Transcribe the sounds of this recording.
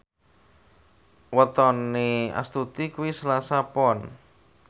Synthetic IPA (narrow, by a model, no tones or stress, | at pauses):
wət̪ɔnea̰st̪ut̪ikuwisəlasapɔn